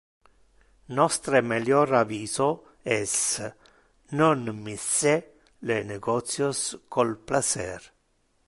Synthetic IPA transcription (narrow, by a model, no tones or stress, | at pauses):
nɔst̪ɾemeljoɾaviːzo | ɛs | nonmise | leneɡɔt̪sjoskʰolplat͡ʃɛ̰ɾ